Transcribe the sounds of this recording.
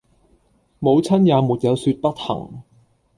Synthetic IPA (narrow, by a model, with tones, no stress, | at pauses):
mo˨˧wt͡sʰɐ˥njaː˨˧muː˨t̚jɐ˨˧wsyː˧t̚pɐ˥t̚hɐ̰˨˩ŋ